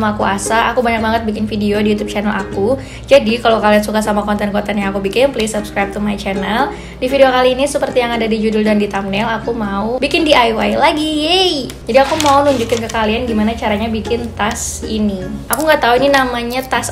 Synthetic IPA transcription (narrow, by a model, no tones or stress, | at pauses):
maːkuasaʔakubaɲak̚baŋət̪̚bikɪnfideodijut̪ub̚t͡ʃanɛlʔaku | d͡ʒadikalokaliansukasamakɔnt̪ɛnkɔnt̪ɛnjaakubikɪnplesupskɾajp̚t̪umajt͡ʃɛnɛl | difideokaliːnisəpərt̪ijaŋadadid͡ʒudʊldandit̪amnɛlakumaubikɪndiʔajwajlaɡijejd͡ʒadiakumaunuɲd͡ʒukɪnkəkalianɡimanat͡ʃaɾaɲabikɪnt̪asiniakuŋɡat̪auininamaɲat̪as